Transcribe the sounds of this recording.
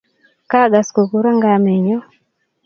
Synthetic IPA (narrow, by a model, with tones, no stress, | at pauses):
ka˦˨ɡa˨sko˨ku˦ɾa˦ŋɡa˨mɛ˨ɲɔ˦